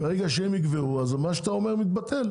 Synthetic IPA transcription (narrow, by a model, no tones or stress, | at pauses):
beʁeɡaʃeemiɡveʁuazmaʃeat̪ao̞me̞ʁmit̪̚bat̪ʰe̞l